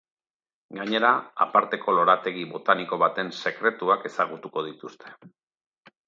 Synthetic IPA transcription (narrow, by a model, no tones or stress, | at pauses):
ɡaɲe̞ɾaa̰paɾt̪e̞kʰo̞lo̞ɾat̪e̞ɣiβo̞t̪aniko̞βat̪e̞nse̞kɾe̞t̪uake̞saɣ̞ut̪uko̞ðit̪ust̪ʰe̞̥